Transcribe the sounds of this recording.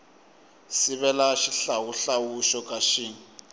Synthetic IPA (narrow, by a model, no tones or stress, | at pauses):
siβɛlaʃiɬawuɬawuʃɔkʼaʃiːŋ̩